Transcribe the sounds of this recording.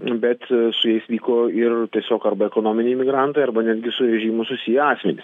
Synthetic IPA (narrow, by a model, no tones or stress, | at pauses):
bʲɛt̪sʊjɛɪsʋʲiːkoːɪrt̪ʲiɛsʲoːkɐrbɐɛkoːnoːmʲɪnʲɛɪmʲɪɡɾɑnt̪ɐɪɐrbɐnʲæːd̪ʲɡʲɪsʊɾʲɛʒʲiːmʊsʊsʲijɛɑːsʲmʲɛnʲɪs